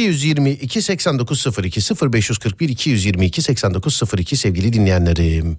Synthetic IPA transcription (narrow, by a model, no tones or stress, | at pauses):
ijyzjiɾmiʔicʰisɛcsænd̪o̞kʰuzsɯfɯɾicʰisɯfɯɾbɛʃjyz̥kʰɯɾk̚biɾicʰijyzjiɾmiːcʰisɛcsænd̪o̞kʰuz̥sɯfɯɾicʰisɛvɟilʲid̪inlʲejænʲeɾim